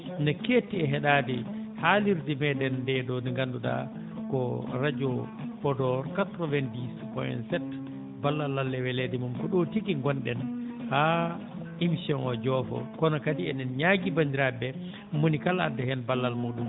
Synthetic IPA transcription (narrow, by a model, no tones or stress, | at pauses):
nɛkeːtːiɛɦɛɗadɛhaliɾdimɛdɛndɛdɔniŋɡanduɗa̰ | kɔɾad͡ʒɔ | fɔdɔɾkatɾɔvɛndispɔ̰jɛ̰nsɛt | balːalːalːɛwɛledimumkɔɗotikiŋɡɔnɗɛnha | imsɔnɔd͡ʒɔfɔ̰kɔnɔkadiɛnɛnɲaɡibandiɾabɛ | monikala̰dːɛhɛnbalːalmuːɗum